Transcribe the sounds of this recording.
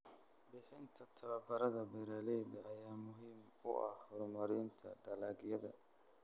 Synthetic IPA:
bɪħɪnt̪ʰɐt̪ʰɐβɐbɐɾɐðɐbɛɾɐlɛdɐɐjaːmʊɦiːm | ʊ̰ʔɐ̰hhɔrmɐɾɪnt̪ʰɐɖɐlaːɣjɐðɐ̰

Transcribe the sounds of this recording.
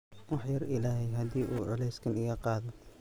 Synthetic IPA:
wɑħjɐrʔɪlaːhɛjɦɐd̪iːʔuːʕʊlɛjskʰɐnɪɣɐqɑːðɔ

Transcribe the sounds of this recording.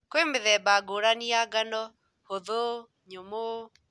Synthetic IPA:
kwemeðɛbaɡoɾaniaɡanɔ | hoðo | ɲomo

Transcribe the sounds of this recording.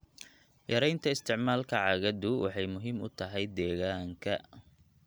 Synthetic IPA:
jɐɾɛjnt̪ʰɐɪst̪ʰɪʕmaːlkʰɐʕɑɣɐðʊwʔɑ̰ħɑjmʊɦiːmʊ̰t̪ʰɐɦɛjd̪ɛːɣaːŋkʰɐ

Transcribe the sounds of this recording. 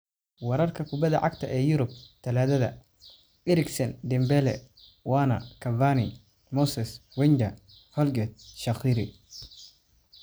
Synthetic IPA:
wɑɾɐrkʰɐkʰʊbɐðɐʕɑɡt̪ʰɐʔɛːjʊɾʊb̚t̪ʰɐlaːðɐðɐ̰ | ʔɪɾɪɡsɐnd̪ɪmbɛlɛ̰ | wɑːnɐ̰kʰɐvani | mɔsɛswɛɲd͡ʒɐ | hɔlɡɛt̪̚ʃɐxiːɾɪ

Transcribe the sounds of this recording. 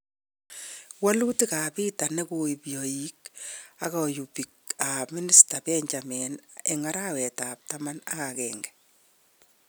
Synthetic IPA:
walutikapiːtanekuipjɔjikakɔjupik̚amɪnɪstapɛɲd͡ʒamɛneŋaɾawɛtap̚tamanakakɛːŋɡɛ̥

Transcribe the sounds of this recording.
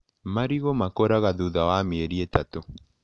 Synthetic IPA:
maɾiɣomakoɾaɣaðuðawameeɾietato

